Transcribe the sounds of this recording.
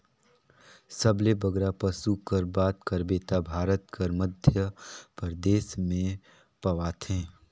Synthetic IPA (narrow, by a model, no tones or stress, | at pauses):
səblebəɡɾapəsukəɾbaːt̪kəɾbeːt̪abʱaːɾət̪kəɾməd̪ʱjəpəɾd̪eːsmẽ | pɐʋaːt̪ʰẽː